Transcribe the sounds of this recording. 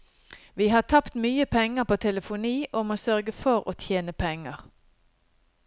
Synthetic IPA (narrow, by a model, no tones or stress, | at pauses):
ʋiːhɑːt̪ʰɑpt̪myːəpʰɛŋːəpoːt̪ʰɛləfʊniːʔʊmoːsœʁɡəfɔʁoːt̪ʰjeːnəpʰɛŋəʁ